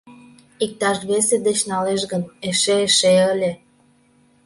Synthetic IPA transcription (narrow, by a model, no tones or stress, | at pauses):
ik̚t̪ɑʃβesed̪et͡ɕnɑleʃɣəneʃeːʃeəlʲe